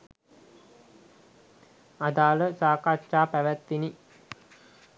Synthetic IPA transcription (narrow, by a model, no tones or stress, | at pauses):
ad̪aːləsaːkat͡ʃaːpæʋæt̪ʋini